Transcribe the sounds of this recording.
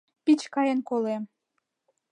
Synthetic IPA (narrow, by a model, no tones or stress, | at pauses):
pit͡ɕkɑjenkolem